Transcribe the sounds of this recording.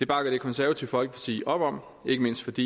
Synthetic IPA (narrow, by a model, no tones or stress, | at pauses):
d̥e̝b̥ɑ̈ɡ̥ɐd̥e̝kʰɒ̽nsæɐʋɐt͡sʰiʊfɒ̽l̰ɡ̥əpʰɑ̈t͡sʰḭːʔɒ̽b̥ɒ̽m̰ | e̝ɡ̥əme̝n̰sd̥fɒ̽d̥ḭː